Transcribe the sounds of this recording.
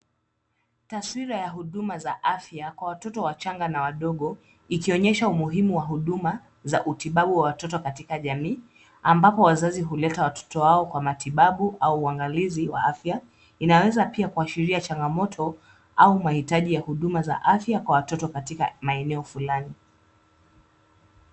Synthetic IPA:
taswiɾajaɦuɗumazaʔafjakwawatɔtɔwat͡ʃaŋɡanawaɗɔɠɔ | ikiɔɲɛʃaumuɦimuwaɦuɗuma | zaʔutiɓaɓuwawatɔtɔkatikaʄamiː | ambapɔwazaziɦulɛtawatʰɔ̥tɔwaɔkwamatiɓaɓuʔauːaŋɡaliziwa̰afja | inawɛzapiakuaʃiɾiat͡ʃaŋɡamɔtʰɔ | aumahitaʄijahuɗumaza̰ʔafjakwawatɔtɔkatika̰maɛnɛɔfulani

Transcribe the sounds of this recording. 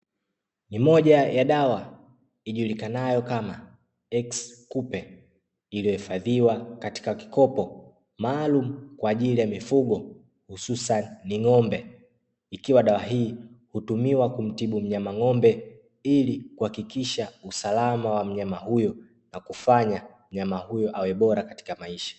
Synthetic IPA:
nimɔʄajaɗawa | iʄulikanajɔkama | ɛkskupɛ | ilijɔhifaðiwakati̥kaki̥kɔpɔ | maːlum̩kwaːʄilijamifuɠɔ | hususanːiŋɔmbɛ | ikiwaɗawaɦiːhutumiwakum̩tiɓum̩ɲamaŋɔmbɛ | ilikuhakikiʃausalamawam̩ɲamahujɔ | nakufaɲa | m̩ɲamahujɔʔawɛɓɔɾakati̥kamaiʃḁ

